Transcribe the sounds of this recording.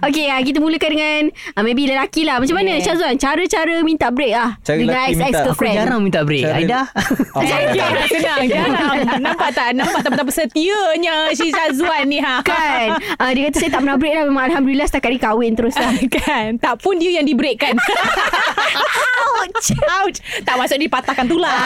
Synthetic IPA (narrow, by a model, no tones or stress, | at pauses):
ok̬eak̬it̪̬əmũləkandəŋanəmẽbiləlakilahmat͡ʃamanət͡ʃazuant͡ʃaɾət͡ʃaɾəmĩnt̪aʔbəɾek̚lahdəŋãnɛssɛkkəpɾɛd͡ʒaɾaŋmĩnt̪aʔbɾekajdaaasənaŋanãmpaʔt̪aʔnãmpaʔt̪apt̪apasət̪iəɲas̬isazuanːĩɦakanədikat̪̬asajət̪aʔpənabɾek̚lahmemãŋalɦamdulilahst̪akat̪ʔ̚dikawɪnt̪əɾʊslaknt̪aʔpʊndiəjaŋdibəɾeʔkan | at͡ʃawt̚t̪aʔmasʊʔk̚dipat̪akant̪̬ula